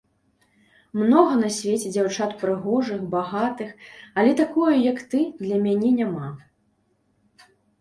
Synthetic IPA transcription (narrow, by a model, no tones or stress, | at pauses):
mnɔɣɐnɐsʲvʲet͡sʲɛd͡zʲawt͡ʂat̪pɾɨɣɔʐɨxbaɣat̪ɨxɐlʲɛt̪akɔjujɐkt̪ɨd̪lʲɐmʲanʲɛnʲama